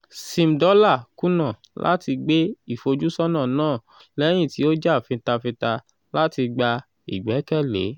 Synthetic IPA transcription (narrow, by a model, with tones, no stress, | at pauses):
sĩ˧m̩˨dɔ˦la˦˨ku˦nã˦˨ | lʔa̰˦ti˧ɡ͡be˦i˦˨fo˧d͡ʒu˦sɔ˦nã˦˨nãː˦˨ | lɛ˦j̃ĩ˦˨ti˨˦o˦d͡ʒa˦˨fĩ˧ta˧fĩ˧ta˧ | la˦ti˧ɡ͡ba˧ | i˨ɡ͡bɛ˨˦kɛ˦˨lḛ˨˦